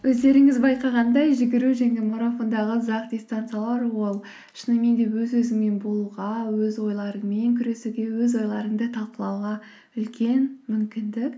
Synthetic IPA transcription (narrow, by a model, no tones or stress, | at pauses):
wʔɵzd̪e̞ɾɪŋɪzbɑjqɑʁɑnd̪ɑjʒɪɡʲɪɾuʒeŋɡ̪ʲemo̞ɾafo̞nd̪ɑʁəzɑq̚d̪ʲist̪ant̪sɨialˠɑɾwo̞lˠ | ʃənɑme̞nd̪e̞wɵzwɵzɪŋme̞nbolˠʁɑwɵzwo̞jlˠɑɾəŋme̞ŋkʲʰʏɾe̞suɡʲe̞wɵzwo̞jlˠɑɾəɴd̪ət̪ʰɑlˠqəlˠɑwʁɑ | ʏlkʲe̞nmʏmkʲɪnd̪ɪk